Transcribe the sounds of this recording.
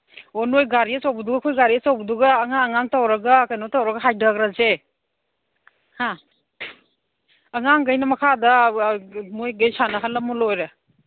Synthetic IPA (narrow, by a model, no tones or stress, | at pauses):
onojɡaɾiasawbuduɡɐkʰojɡaɾiasawbuduɡɐːŋaːŋaŋtawɾɐɡɐkajnɔtawɾɐɡɐɦajdaɡɾaze | ha | ŋaŋɡajnɐmɐkʰadɐ | mojɡajsanɐɦalːɐmulojɾa